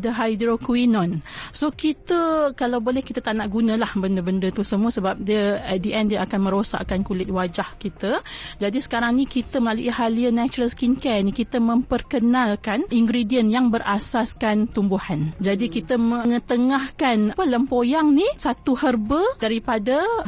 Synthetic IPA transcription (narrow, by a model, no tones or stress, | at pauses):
dəɦajdɾokuinɔ̃nsokit̪əkalawbolɛhkit̪ət̪aʔnaʔɡunə̃lahbəndəbəndət̪usəmuəsəbap̚diəɛt̪̚diʔɛndiəakanmə̃ɾosa̰ʔkankulɪt̪̚wad͡ʒahkit̪əd͡ʒadisə̥kaɾaŋnĩkit̪əməlaluʔihaliənat͡ʃuɾəlskinkɛnĩkit̪əmə̃mpərkənãlkaniŋɡɾidiənjaŋbərʔasaskant̪umbuhand͡ʒadikit̪əməəŋət̪əŋahkanpələmpojaŋnisat̪uhərbədaɾipadə